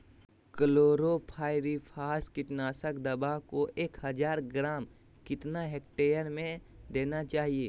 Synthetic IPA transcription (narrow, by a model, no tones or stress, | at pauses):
kəloːɾopʰaːɪɾipʰaːskɪʈnaːsəkd̪ɐbakoʔeːkɦəd͡ʒaːɾɡɾaːm | kɪt̪naɦek̚ʈeːjəɾmẽd̪eːnat͡ʃaːɦieː